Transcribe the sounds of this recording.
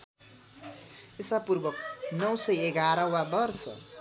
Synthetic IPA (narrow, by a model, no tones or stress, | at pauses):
esapurbʌk̚nʌwsʌjeɡaɾʌwabʌrsʌ̰